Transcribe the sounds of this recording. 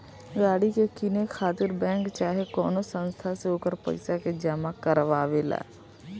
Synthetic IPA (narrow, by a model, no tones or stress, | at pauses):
ɡaːɽikekinekʰaːt̪ɪɾbɛ̃ːŋkt͡ʃaːɦekɔːnosə̃nst̪ʰaseɦoːkəɾpə̰ɪsaked͡ʒəmakəɾʋaːʋela̰ː